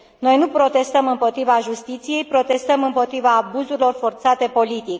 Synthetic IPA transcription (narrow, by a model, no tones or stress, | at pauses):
no̞jnupɾo̞t̪e̞st̪əmɨmpo̞t̪ɾivaʒust̪it̪sije̞jpɾo̞t̪e̞st̪əmɨmpo̞t̪ɾivaːbuzuɾilo̞rfo̞rt̪sat̪e̞po̞lit̪ik